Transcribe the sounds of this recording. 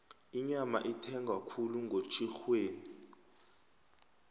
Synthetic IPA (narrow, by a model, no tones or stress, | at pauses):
iɲama̰ʔitʰɛŋɡʱakʰuluŋɡʱot͡ʃʰʼixweːni